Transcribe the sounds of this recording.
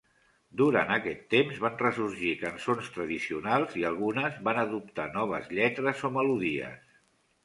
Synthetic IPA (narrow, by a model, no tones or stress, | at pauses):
d̪uɾanəkɛt̪ːemzβanrəsuɾʒikənsonst̪ɾəðisiunalˠziəlˠɣunəzβanəðup̚t̪anɔβ̞əzʎɛt̪ɾəzoməluðiə̰s